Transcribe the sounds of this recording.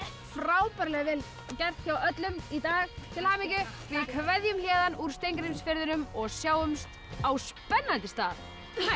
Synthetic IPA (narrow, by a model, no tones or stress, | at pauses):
fɾaːwpɛɾlɛɣvɪl | cɛr̥t̪çawœt̪lʏmit̪aːɣt̪ʰɪlaːmɪcʏvɪðkʰvɛðjʏmljɛːðanuɾ̥st̪ejŋkɾɪmsfɪɾðɪnʏmɔɣsjaːwʏmst̪ | awspɛnːant̪ɪst̪aːð